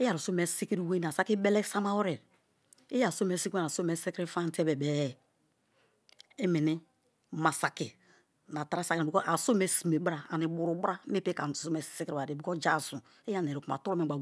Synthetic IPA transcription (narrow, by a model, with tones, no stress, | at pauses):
e˦ja˨ɾu˨so˦me˨si˦ki˦ɾi˦we˦n˨a˨sa˦ki˦be˦le˦sa˦ma˦wo˦ɾe˨ɾ | e˦ja˨so˦me˨˦si˦ke˦n˨a˨so˦me˨se˦kɾi˦fa˦n˦te˦be˨be˨˦˨ | e˦mi˨ni˦ | ma˨sa˨ki˨ | na˨ta˦ɾa˦sa˨kna˨i˨ko˦ʔa˨so˦me˨si˨me˨bɾa˦a˨ni˨bu˨ɾu˨˦ba˦me˦pe˦ka̰˨so˦me˨si˦kɾi˨a˨de˨bi˨ko˦d͡ʒa˦˨su˨ | e˦ja˦˨n˨e˨ɾi˨ku˨ma̰˨tu˦ɾo˦me˨ɡ͡ba˨